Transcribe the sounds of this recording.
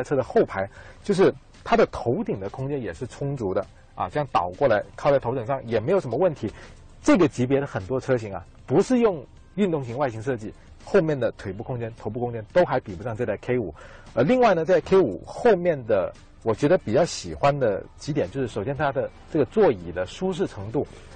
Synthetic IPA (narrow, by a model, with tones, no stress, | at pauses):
ʈ͡ʂʰɤ˥d̪ə˨xo˥˩ʊpʰa˧˥ɪt͡ɕjo˥˧ʊʂɻ̩˥˩ | t̪ʰa˥d̪ə˨t̪ʰo˧˥ʊt̪i˨˩ŋd̪ə˦kʰʊ˥ŋt͡ɕɛ˥njɛ˨˩ʂɻ̩˥˩ʈ͡ʂʰʊ˥ŋt͡su˧˥d̪ə̰˧ | ɐ̰˧˥˧jɑ˥˩ŋt̪ɑ˨˩ʊkwɔ˥˩la˧˥ɪkʰɑ˥˧ʊt͡sa˥˩ɪtʰo˧˥ʊt̪ɤ˨˩ŋʂɑ˥˩ŋjɛ˨˩me˧˥jo˨˩ʊʂə˧˥mə˧wə˥˩nt̪ʰi˧˥ | ʈ͡ʂɤ˥˩ɡə˩t͡ɕi˧˥pjɛ˧˥ɾə˧xə˨˩nt̪wɔ˥ʈ͡ʂʰɤ˥ɕi˧˥ŋɐ̰˧ | pu˧˥ʂɻ̩˥˧jʊ˥˧ŋ | y˥˧nt̪ʊ˥˩ŋɕi˧˥ŋwa˥˩ɪɕi˧˥ŋʂɤ˥˧t͡ɕi˥˩ | xo˥˧ʊmjɛ˥˩nd̪ə˩t̪ʰwe˨˩ɪp̬u˥˩kʰʊ˥ŋt͡ɕjɛ˥nt̪ʰo˧˥ʊp̬u˥˩kʊ˥ŋt͡ɕjɛ˥nt̪o˥ʊxa˧˥ɪpi˨˩u˧˥ʂɑ˥˧ŋt͡sa˥˩ɪə˧˩kʰe˥ɪṵ˨˩˦ | ə˧˥li˥˧ŋwa˥ɪnə˩t͡sa˥˩˥kʰe˥ɪṵ˨˩˦xo˥˧ʊmjɛ˥˩nd̪ə˩ | wɔ˨˩t͡ɕɥɛ˧˥d̪ə˧pi˨˩t͡ɕjɑ˥˩ʊɕi˨˩xwa˥nd̪ə˨t͡ɕi˧˥t̪jɛ˨˩nt͡ɕjo˧ʊʂɻ̩˥˩o˨˩ʊɕjɛ˥nt̪ʰa˥d̪ə˨ | ʈ͡ʂɤ˥˩ɡə˩t͡swɔ˥˩i˨˩d̪ə˦ʂu˥ʂ̬ɻ̩˥˩ʈ͡ʂʰɤ˧˥ŋt̪u˥˩